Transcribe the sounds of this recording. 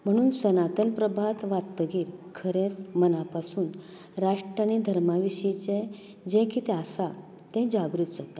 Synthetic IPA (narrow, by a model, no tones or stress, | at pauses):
m̤əɽ̃uːnsənat̪ənpɾəbʱat̪ʋat̪ːəɡiːɾkʰəɾẽt͡smənapasuːn | ɾaʂʈɾañid̪ʱəɾmaʋiɕit͡ɕẽ | d͡ʑɛ̃kʰit̪ɛ̃əsa | t̪ɛ̃d͡ʑaɡɾut̪d͡zot̪a